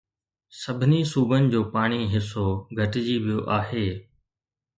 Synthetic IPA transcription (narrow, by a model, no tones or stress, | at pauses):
sɐbʱɪnisuːbənɪ̆d͡ʑoːpaːɽ̃iɦɪs̬oɡʱɐʈɪd͡ʑiːʋijoʔaːɦeː